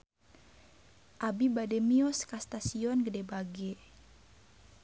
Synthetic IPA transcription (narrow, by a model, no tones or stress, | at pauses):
ʔabibadɛmiɔskast̪asiɔnɡədɛbaɡɛ